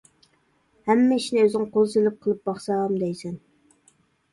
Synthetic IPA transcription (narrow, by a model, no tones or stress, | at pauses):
hæmːɛiʃnɪøzɪŋqʰolˠzelɪp̚qʰəlˠɨp̚bɑχsɑɑmd̪ɛjsɛn